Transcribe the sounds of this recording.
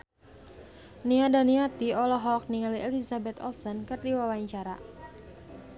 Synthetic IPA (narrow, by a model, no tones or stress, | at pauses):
niadaniat̪iɔlɔɦɔk̚niŋaliʔɛlisabɛt̪ɔ̰lsɔnkɨrdiwawaiɲt͡ʃaɾa̰